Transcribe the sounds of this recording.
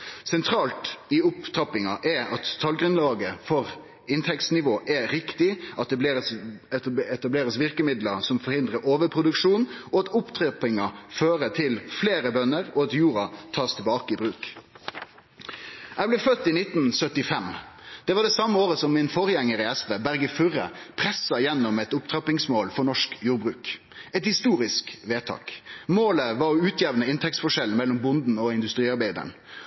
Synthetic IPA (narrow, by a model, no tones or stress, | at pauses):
sɛnt̪ʰɾɑːlt̪ɪʊpt̪ʰɾɑpɪŋɑʔɛɑt̪ʰːɑlɡɾʉnlɑːɡəfɔʁ | ɪnt̪ʰɛkt̪snɪʋoːʔɛɾɪkt̪ɪʔɑt̪̚d̪ɛbles | ɛt̪ɑbleːɾəsʋɪʁkəmɪd̪ləsɔmfɔʁhɪnd̪ʁəɾʔoːʋəpʰɾʊd̪ʉkʂuːnʔɔɑt̪ʊpt̪ʰʁɛpɪŋɑføːɾət̪ʰɪlfleːɾəbœnːəɾɔɑt̪juːɾɑt̪ʰɑːst̪ʰɛlbɑːkəɪbɾʉːk | ʔæɪblɛːfœt̪ːiːnɪt̪nsœt̪ːɪfɛmd̪̥ɛʋɑd̪ɛsɑmːəoːʁəsɔmːɪnfɔʁjɛŋːəɾəɛsʋeːbæʁɡəfʉɾə̰pʰɾɛsːɑjɛnːɔmɛt̪ʊpt̪ʰɾɑpɪŋsmoːlfɔɳɔʂkjuːɾbʁʉːk | ɛt̪hɪst̪uːɾɪskʋeːt̪ʰɑ̰ːkmoːləʋɑʁɔʉːt̪ʰjɛʋnəɪnt̪ʰɛkt̪sfɔʂɛln̩mɛlːɔmbʊnd̪n̩ɔɪnd̪ʉst̪ɾiːɑɾbæɪd̪ə̰ɳ